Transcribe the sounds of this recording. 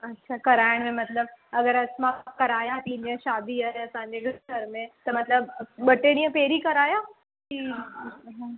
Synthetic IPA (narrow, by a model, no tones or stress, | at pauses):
ɐtːɕʰakɐɾaːjɽ̃mẽmɐt̪ləb̚ɐɡəɾəsmãkːɐɾaːjat̪ĩːɲə̃ʃaːd̪iaɐsãɲd͡ʑeɡʱəɾmẽt̪ɐmɐt̪ləbɓəʈeɽ̃ĩjə̃peːɾikɐɾaːja | ki | ɦã